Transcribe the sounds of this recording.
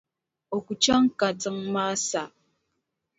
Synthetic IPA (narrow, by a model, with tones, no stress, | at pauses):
o˨ku˨t͡ʃa˦ŋ˦ka˨t͡sɨ˨ŋma˦sa˨